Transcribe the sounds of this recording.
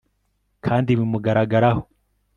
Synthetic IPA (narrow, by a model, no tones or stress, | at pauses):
kʰaːndiβimuɡaɾaɡaɾaho